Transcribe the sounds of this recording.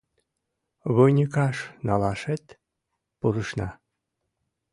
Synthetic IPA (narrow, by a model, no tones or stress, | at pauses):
βojnʲikɑʃnɑlɑʃet̪ | puɾəʃnɑ̰